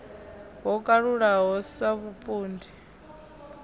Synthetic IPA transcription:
ɦɔkʼaɺuɺaɦɔsaβupʼuːndi

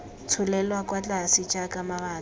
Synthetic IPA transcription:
t͡sʰʊlɛlwakʼwat͡ɬʼasit͡ʃʼakʼamaβaː

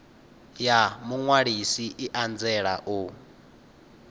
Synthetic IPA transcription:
jamuŋwaɺisiʔiʔand͡zɛɺa̰ʔu

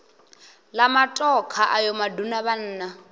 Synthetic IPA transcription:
lamatʼɔkʰaʔajɔmadunaβan̩ːna

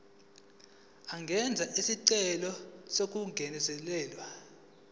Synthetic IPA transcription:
aŋɡʱɛnd͡zʱaʔisiǀɛlɔsok̬ʼuŋɡʱɛnɛsɛlɛːlwa

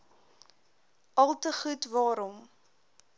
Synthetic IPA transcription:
ʔɐlˠtəχutvɑːɾɔm

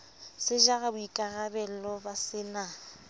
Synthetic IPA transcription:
sɪʒaɣabʊikʼaɣabɛl̩lɔbasɪna

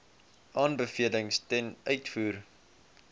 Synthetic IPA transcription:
ʔɑːnbəfiələŋstɛnʔœɥtfuːr

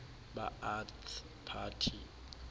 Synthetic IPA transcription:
ba̰ats | pʰaːtʰi

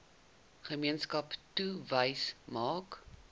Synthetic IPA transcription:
χəmiənskɐptuvəjsmɑːk

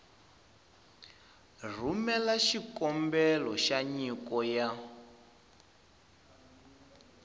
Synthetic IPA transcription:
r̤umɛlaʃikɔmbɛlɔʃaɲikɔja

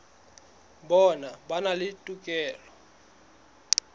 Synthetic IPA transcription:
bɔnabanalɪtʼukʼɛːlɔ

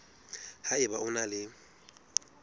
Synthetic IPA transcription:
haɪbaʊnalɪ

